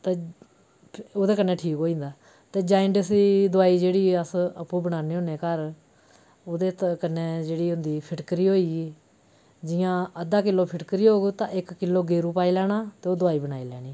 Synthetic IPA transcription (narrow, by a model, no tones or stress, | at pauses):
t̪eː | oːd̪eːkənːẽːʈʰiːkɦoːĩːnd̪aː | t̪eːd͡ʒaːɪɳɖəsiːd̪ʊaːiːd͡ʒeːɽiːəsəpːũːbənaːniːɦõːneːkəɾ | oːd̪eːt̪kənːẽːd͡ʒeːɽiːʊ̃nd̪iːpʰɪʈkəɾiːɦoːiːɡiː | d͡ʒɪjãːəd̪aːkɪlːoːpʰɪʈkəɾiːoːɡt̪ãːʔɪkːɪlːoːɡeːɾuːpaːiːlɛːɽaːt̪eːoːd̪ʊaːiːbənaːiːlɛːɽ̃iː